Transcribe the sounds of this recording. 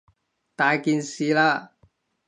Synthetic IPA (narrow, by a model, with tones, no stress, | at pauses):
t̪aː˨jkiː˨nsiː˨laː˧